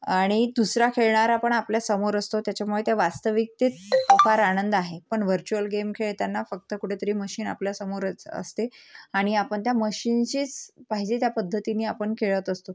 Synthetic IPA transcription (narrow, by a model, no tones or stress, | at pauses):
aɽ̃id̪usɾakʰeɭɳaɾapəɳapljasəmoɾəst̪ot̪jat͡ɕamuɭet̪jaʋast̪əʋik̚t̪etəpaɾanənd̪aɦepəɳʋəɾt͡ɕuəlɡemkʰeɭt̪janːafək̚t̪əkuʈʰet̪əɾiːməɕiːna̰pljasəmoɾət͡sə̰st̪eaɽ̃iapəɳt̪jaməɕint͡ɕiːt͡spaɦid͡ʑet̪japəd̪ʱːət̪iniːapəɳkʰeɭət̪əst̪o